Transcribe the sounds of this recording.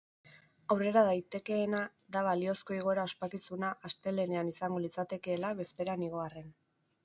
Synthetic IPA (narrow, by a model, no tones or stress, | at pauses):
awre̞ɾaðajt̪e̞ke̞ːna | d̪aβalio̞sko̞iɣ̞o̞e̞ɾao̞spakisunaʔːst̪e̞le̞ne̞anisaŋɡo̞lit͡sat̪e̞keːlaβe̞spe̞ɾaniɣ̞o̞are̞n